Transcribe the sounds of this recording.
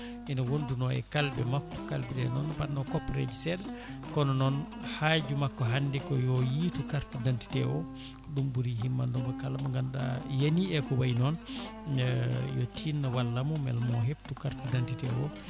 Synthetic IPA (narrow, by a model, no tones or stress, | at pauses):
ʔɛnawondunɔɛ̰kalbɛmakːɔ̥kalbɛdɛnɔnːbanɔkɔpɾḛd͡ʒisɛl | kɔnɔnɔn | haːd͡ʒumakːɔɦandɛkɔjɔjiːtukaɾtudanti̥tɛ̰wɔ | ɗumbuɾihimːandɔŋkɔkalamaŋɡanɗa̰janiɛkɔwajnɔn | jɔtʰinːawalːamɔmɛ̰lmɔɦebtukaɾtudantitɛ̰wɔ̰